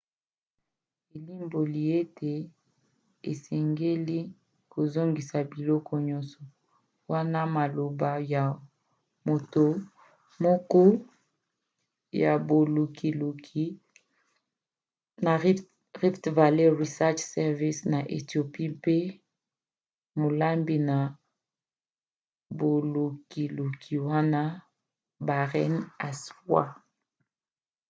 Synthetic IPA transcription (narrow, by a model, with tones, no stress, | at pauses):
e˨li˦mbo˨li˨e˦tʰe˨ | e˨sɛ˨ŋɡe˦li˦ | ko˨zo˦ŋɡi˨sa˨bi˨lɔ˦kʰɔ˦ɲɔ˦nsɔ˨ | wa˦na˦ma˨lo˨ba˨ja˨ | mo˨to˨ | mɔ˦kɔ˦ | ja̰˨bo˨lu˨kʰi˨lu˨kʰi˦ | na˨ | ʁi˦ptva˨le˦ʁi˨sɛ˦t͡ʃsɛ˨ʁvi˦sna˨ʔe˨tjo˨pi˦pe˦ | mo˨la˦mbi˨na˨ | bo˨lu˨ki˨lu˨kʰi˨wa˦na˦ | ba˨ʁɛ˦na˨swa̰˦